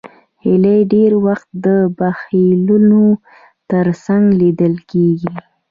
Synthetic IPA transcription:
hɪləjɖeɾwaxt̪̚d̪əbaxiluno | t̪əɾsaŋɡlid̪əlkeɡi

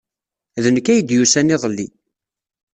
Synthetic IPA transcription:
ðənəkːæjəd̪jusæniðˤəlːi

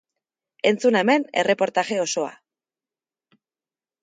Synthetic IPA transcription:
e̞nt͡sunaeme̞ne̞re̞po̞ɾt̪aʝe̞o̞so̞a̰

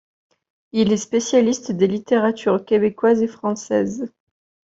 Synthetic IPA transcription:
ilɛspesjalist̪d̪elit̪eʁat̪ʰyʁkʲebekwazefχɑ̃sɛ̰z

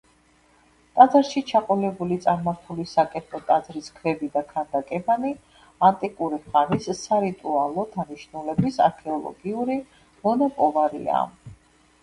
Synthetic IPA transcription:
t̪ʼad̪zaɾʃit͡ʃʰaqʼɔlɛbulit̪sʼaɾmaɾt̪ʰulisakʼɛt̪ʼɔt̪ʼad̪zɾiskʰvɛbid̪akʰand̪akʼɛbani | ant̪ʼikʼuɾiχaɾisːaɾit̪ʼualˠɔd̪aniʃnulɛbisa̰ɾkʰɛɔlˠɔ̰ɡiuɾi | mɔnɔpʼɔlˠaɾḭa̰

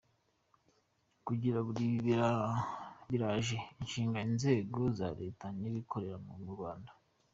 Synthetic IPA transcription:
kuɟiɾaβuɾiβa | βiɾaʒeinʃiːŋɡainze̞ːɡo̞za̰ɾe̞ːtaɲiβikʰo̞ɾe̞ɾamuɡuɾwaːnda

